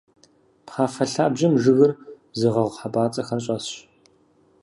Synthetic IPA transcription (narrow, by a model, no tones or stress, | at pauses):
pχaːfɐɬaːbʒɐmʒɨɣɨr | zɨʁɐʁʷħabaːt͡sʼɐxɐnɕʼɐsɕ